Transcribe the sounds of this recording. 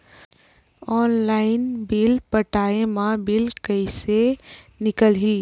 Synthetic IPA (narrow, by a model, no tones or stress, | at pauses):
ɔːnlaːɪnbɪlpəʈaːemãbɪlkəɪsenɪkəlɦiː